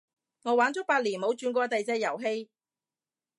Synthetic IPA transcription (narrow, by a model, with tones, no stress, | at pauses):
ŋɔː˨˧waː˨˥nt͡sɔː˨˥paː˧t̚liː˨˩nmo˨˧˥wt͡ʃyː˨˧nkʷɔː˧t̪ɐ˨jt͡sɛː˧jɐ˨˩wɦe˧j